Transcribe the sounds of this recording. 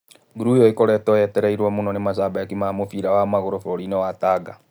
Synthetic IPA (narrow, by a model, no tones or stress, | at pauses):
ɡuɾujɔikɔɾɛtɔɛtɛɾɛiɾwɔmonɔnemaʃ̬aːbajakimaːmofiɾawamaɣoɾofoɾinɛwataːɡa